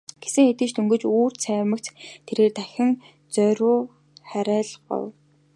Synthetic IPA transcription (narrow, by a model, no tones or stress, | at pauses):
ɡ̥esɘ̆ŋet̪ɘ̆t͡ɕt̪ʰɵŋɡɵ̆t͡ɕuːr̥t̪sʰæːmə̆kt̪t̪ʰːeɾeːrt̪æxʲɪ̆ŋ | t͡sœɾʊː | χæɾæːɮɢɔ̰w